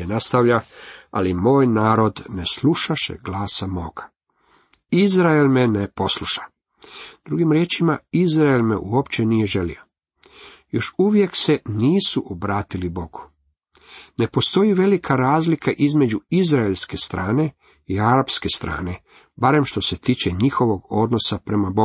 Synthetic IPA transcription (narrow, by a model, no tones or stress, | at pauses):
enast̪aʋʎaa̰limo̞ːjnaːɾo̞d̪ne̞sluʃaʃe̞̰ɡlaːsamo̞ːɡ̥ḁ | izɾaelmenepo̞sluʃḁ | d̪̥ɾuɡimɾjeːt͡ʃimaizɾaelmḛʔuopt͡ɕe̞nije̞ʒe̞lḭo̞ | jo̞ʃuʋje̞kse̞niːsuʔobɾaːt̪ilibo̞ɡu̥ | nepo̞st̪o̞jiʋe̞likʰaɾaːzlikaʔizme̞d͡ʑuizɾaelʲske̞st̪ɾaːne̞ | iaɾapske̞st̪ɾa̰ːne̞ | baɾe̞mʃt̪o̞se̞t̪iːt͡ʃeɲixo̞ʋo̞ɡo̞d̪no̞sapɾe̞mabou